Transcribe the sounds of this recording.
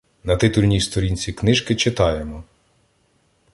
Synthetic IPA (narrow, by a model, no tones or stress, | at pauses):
nɐt̪ɪt̪ulʲnʲijst̪ɔɾʲinʲt͡sʲiknɪʒkɪt͡ʃɪt̪ɑjemɔ